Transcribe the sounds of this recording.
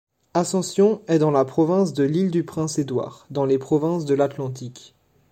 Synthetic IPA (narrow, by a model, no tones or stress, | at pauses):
asɑ̃sjɔ̃ɛd̪ɑ̃lapχɔvɛ̃sd̪əlild̪ypχɛ̃sed̪wa̰ːʁd̪ɑ̃lepχɔvɛ̃sd̪əlat̪lɑ̃t̪̬ik